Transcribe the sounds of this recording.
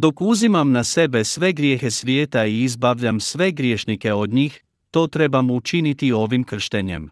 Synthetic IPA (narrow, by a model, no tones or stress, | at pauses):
d̪o̞kuzimamnase̞be̞sʋe̞ɡɾje̞ːxe̞sʋjeːt̪aiːzbaʋʎamsʋe̞ɡɾjeːʃnike̞o̞d̪ɲiːx | t̪o̞ːt̪ɾe̞bamut͡ʃinit̪io̞ʋimkr̩ʃt̪eɲe̞̰m